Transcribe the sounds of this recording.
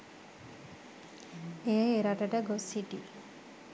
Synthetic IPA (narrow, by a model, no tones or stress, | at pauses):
eeɾaʈɐʈəɡosiʈi